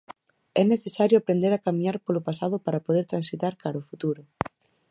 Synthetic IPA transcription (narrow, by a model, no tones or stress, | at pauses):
ɛneθesaɾjʊapɾend̪eɾakamĩɲaɾpolʊpasaðʊpaɾapoð̞eɾt̪ɾansit̪aɾkaɾʊfut̪uɾʊ